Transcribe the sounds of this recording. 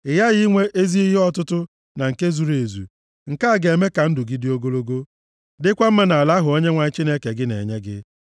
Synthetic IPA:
ɪ˨ja˦ɣɪ˦ŋʷe˦ʔe˦zi˦i˦ɦɪ˦ɔ˦tʊ˦tʊ˦ | na˨ŋ̩˨ke˦zu˨ɾe˨zṵ˨ | ŋ̩˨ka˦a˨ɡe˨me˦ka˨n̩˦dʊ˨ɡi˦dɪ˦o˦ɡo˦lo˦ɡo˦ | dɪ˦kʷa˦m̩˦ma˦na˨la˦ɦʊ˨o˦ɲe˦ŋʷa˨ɲɪ˦t͡ʃi˦ne˦ke˨ɡɪ˦nḛ˨ɲe˦ɡɪ̰˦

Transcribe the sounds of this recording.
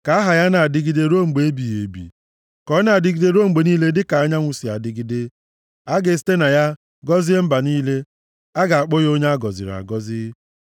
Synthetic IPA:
ka˨a˦ɦa˨ja˦na˨a˨dɪ˦ɡɪ˦de˦ɾo˦ŋ͡m̩˨ɡ͡be˨e˦bi˨je˨bḭ˨ | kɔ˦na˨a˨dɪ˦ɡɪ˦de˦ɾo˦ŋ͡m̩˨ɡ͡be˨niː˦le˦dɪ˦ka˨a˦ɲa˦ŋʷʊ˨si˨a̰˨dɪ˦ɡɪ˦de˦ | a˦ɡe˨ste˦na˨ja˦ | ɡɔ˦zi˦e˦m̩˦ba˨niː˦le˦ | a˦ɡa˨a˨k͡po˦jo˦ɲa˦a˦ɡɔ˨zḭ˨ɾa̰˨ɡɔ˦zi˦

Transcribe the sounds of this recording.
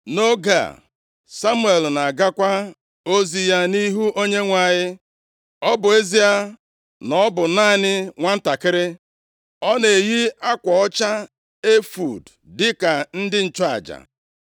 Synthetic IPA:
no˦ɡa̰˨ | sa˦mu˦e˨lna˨ɡa˦kʷa˦ | o˦zi˨ja˦ni˦ɦu˦ʔo˦ɲe˦ŋʷa˨ɲɪ˦ | ɔ˦bʊ˨e˦zi˦a˦ | nɔ˦bʊ˨naː˦˨nɪ˦ŋʷa˦n̩˦ta˨kɪ˦ɾɪ˦ | ɔ˦ne˨e˨ɣi˦a˦kʷɔ˨ɔ˦t͡ʃa˦ | e˦fṵ˨d | dɪ˦ka˨n̩˦dɪ˦n̩˨t͡ʃɔ˦a̰˨d͡ʒa̰˨

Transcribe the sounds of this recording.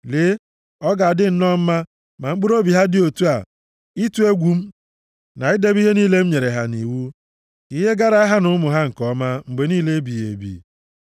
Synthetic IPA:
le˨˦ | ɔ˦ɡa˨dɪ˦n̩˦nɔ˦m̩˦ma˦ | ma˨ŋ͡m̩˦ɡ͡bu˦ɾo˦bi˨ɦa˦dɪ˦o˨tu˦a˨ | i˦tu˦e˦ɡʷu˨m̩˦ | na˨ɪ˦de˦bi˦ɦe˦niː˦le˦m̩˦ɲe˨ɾe˨ɦa˨ni˨wu˦ | i˦ɦe˦ɡa˦ɾa˦a˦ɦa˦nʊ˨˦mʊ˨ɦa˦ŋ̩˨kɔ˦ma˦ŋ͡m̩˨ɡ͡be˨niː˦le˦bi˨jḛ˨bḭ˨

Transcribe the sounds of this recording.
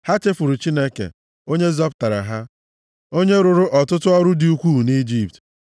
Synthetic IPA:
ha˦t͡ʃe˦fʊ˨ɾʊ˨t͡ʃi˦ne˦kḛ˨ | o˦ɲe˦zɔ˦pʊ˨ta˨ɾa̰˨ɦa˦ | o˦ɲe˦ɾʊ˨ɾʊ˦ʔɔ˨tʊ˦tʊ˦ɔ˦ɾʊ˦dɪ˨u˦kʷu˦˨ni˦d͡ʒi˦p̚t

